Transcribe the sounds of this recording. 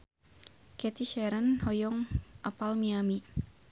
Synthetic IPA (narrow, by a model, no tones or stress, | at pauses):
kɛt̪iʃɛɾənhɔjɔŋʔapalmiami